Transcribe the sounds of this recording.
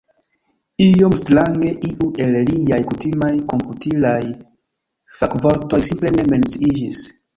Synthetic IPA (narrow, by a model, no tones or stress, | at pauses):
ijo̞mstɾaŋɡe̞ʔiʔuʔe̞lliajkutimajko̞mputilaj | fakvo̞ɾto̞jsimple̞ne̞me̞nt͡siid͡ʒis